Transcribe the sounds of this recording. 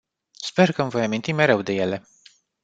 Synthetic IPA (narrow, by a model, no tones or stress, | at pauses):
spe̞rkəmvo̞jamint̪imeɾe̞wd̪e̞je̞le̞